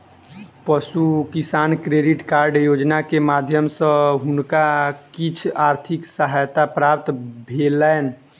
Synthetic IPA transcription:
pəsukisaːnkɾeɖiʈkaːɾɖjod͡ʒnakemad̪ʱjəmsə̃ɦʊnkakit͡ʃʰaɾt̪ʰiksəɦajt̪apɾap̚t̪bʱelən

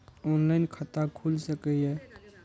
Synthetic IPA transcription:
oːnlaɪnkʰət̪akʰulsəkɛɛ

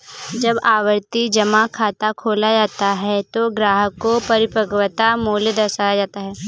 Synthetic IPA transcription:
d͡ʒɐbaːʋəɾt̪id͡ʒɐmakʰaːt̪akʰoːlad͡ʒaːt̪aɦɛt̪oɡɾaːɦəkːopɐɾɪpəɡwət̪amuːljd̪ɐsajad͡ʒaːt̪aɦɛː

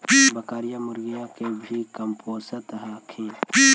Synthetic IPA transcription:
biːbəkaːɾijamʊɾɡijãkebʱikɐmpoːsət̪ɦaːkʰẽːpi

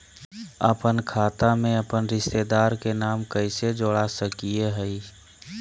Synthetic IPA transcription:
əpənkʰaːt̪amẽəpənɾɪʃt̪ed̪aːɾkenaːmkəɪsed͡ʒoɽasəkieɦəɪ

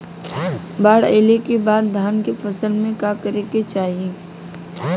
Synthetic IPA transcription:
baːɽḛːlekebaːd̪̚d̪ʱaːnkefʰɐsəlmẽkaːkəɾeket͡ʃaːɦie

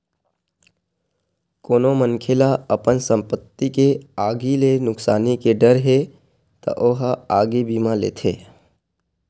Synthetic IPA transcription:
koːnomənkʰelaəpənsə̃mpət̪ːikeaːɡilenʊksaːnikeɖəɾɦe | t̪ə̰ʔoɦaːɡibimãlḛːt̪ʰḛː

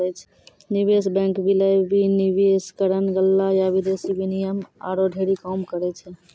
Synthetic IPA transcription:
ɛt͡ʃʰ | nibesbɛ̃ŋkbilajbinibeskəɾənɡəlːajabid̪esibinijəma̰ɾoɖʱeɾikɔmkəɾɛt͡ʃʰɛ

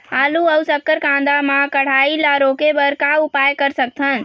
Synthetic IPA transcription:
aluəwsəkːəɾkãnd̪amãkəɽ̤ailaɾokebəɾkaupajkəɾsək̚t̪ʰən

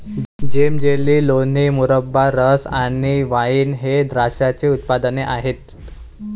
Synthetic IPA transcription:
d͡ʑemd͡ʑeliːlon̤imuɾəbːaɾəsaniʋaiːnɦed̪ɾaɕjat͡seut̪̚pad̪əneʔaɦet̪

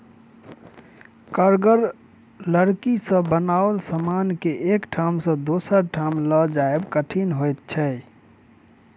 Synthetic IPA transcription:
kəɾɡəɾ | ləɾkisə̃bənaːʋəlsəmaːnkeʔekʈʰamsə̃d̪oːsəɾʈʰamləd͡ʒaebkəʈʰinɦojt̪̚t͡ʃʰɛ

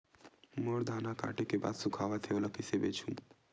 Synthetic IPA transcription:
moːɾd̪ʱaːnaka̰ːʈekeba̰ːd̪sʊkʰaːʋat̪ʰeoləkisebeːt͡ʃʰũː

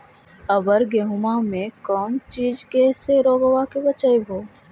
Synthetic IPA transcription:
ɐbəɾɡeɦʊmamẽkɔːnt͡ʃiːd͡ʒkeseɾoːɡʋakebɐt͡ʃəebʱoː

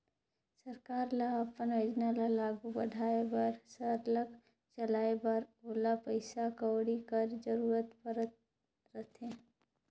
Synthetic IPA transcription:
səɾkaːɾlaɐpəned͡ʒnalalaːɡubəɖʱaːebɐɾsəɾləɡ | t͡ʃəlaːebɐɾoːlapəɪsakəːɽikəɾd͡ʒəɾuːɾət̪pəɾət̪ | ɾət̪ʰẽː

